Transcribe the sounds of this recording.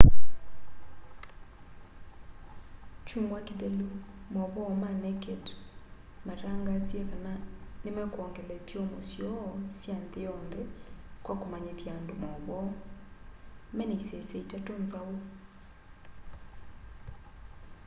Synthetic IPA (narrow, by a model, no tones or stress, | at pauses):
t͡ʃumwakiðɛlu | mɔβɔmanɛkɛt | maɾaŋɡazjɛkananemɛkɔŋɡɛlɛtiɔmosjɔsjanðejɔnðɛkwakomaɲeðjaːndomɔβɔ | mɛnɛisɛsɛitatonzao